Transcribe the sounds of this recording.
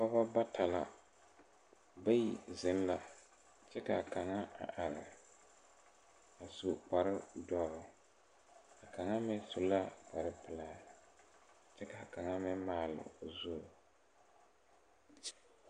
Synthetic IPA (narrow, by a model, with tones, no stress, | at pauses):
pa˦ba˦ba˦tʰa˨la̰˨ | ba˦ji˨zɪ˨˦n˦la˨ | t͡ʃɛ˦ka˨ka˨ŋa˦a̰˨ʔa˨ɾɪ˨ | a˨su˨k͡pa˨ɾɪ˦dɔ˦ɾʊ˦ | a˨ka˨ŋa˦mɛ˦su˨la˦k͡pa˨ɾɪ˦pɪ˦laː˦ | t͡ʃɛ˦ka˨ka˨ŋa˦mɛ˦maː˦˨lɪ̰˨zu˦˨